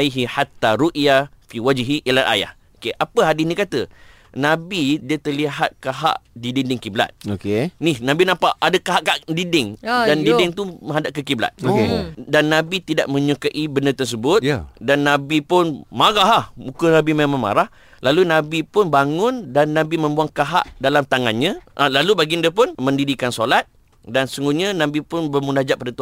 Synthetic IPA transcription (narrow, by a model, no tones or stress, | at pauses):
ajɦiħat̪ːaɾuʔjafiwad͡ʒɦiʔilaʔa̰ja̰h | okeʔapəɦadisnĩkat̪ə | nãbidiət̪ərliɦat̪̚kaɦa̰ʔdidindɪŋkibla̰t̪̚okenɪhnãbinãpaʔadəkaɦaʔkaʔdidɪŋdandidɪŋt̪umə̃ɦadaʔ̚kəkibla̰t̪̚okedanːãbit̪ida̰ʔmə̃ɲukaʔibənət̪ərs̬əbʊt̪danːãbipʊnmaɾaɦahmukənãbimemãŋma̰ɾah | lalunãbipʊnbaŋʊndanːãbimə̃mbuaŋkaɦa̰ʔdalamt̪aŋanɲãʔəlalubaɡindəpʊnmə̃ndidikansolat̪̚ | dansəsuŋɡuɲanãbipʊnbərmundahd͡ʒaʔpːadat̪u